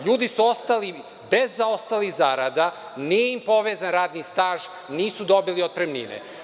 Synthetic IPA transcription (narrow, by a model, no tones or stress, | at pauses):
ʎuːd̪isuo̞st̪ali | bezːao̞st̪alixzaːɾad̪a | nijeimpo̞ʋeːzanɾaːd̪nist̪aːʒ | niːsud̪o̞biliod̪̚pɾemnḭnḛ